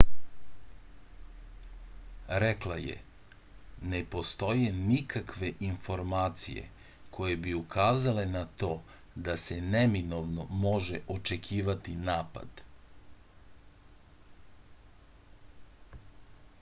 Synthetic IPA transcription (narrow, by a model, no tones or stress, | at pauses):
ɾeklˠajḛ | nepo̞st̪o̞je̞nikakʋe̞ʔinfo̞ɾmaːt̪sḭjḛ | kʰo̞jebiukʰaːzale̞nat̪o̞ː | d̪ase̞nemino̞ʋnomo̞ʒeʔot͡ʃe̞kʰiːʋat̪inaːpa̰d̪̥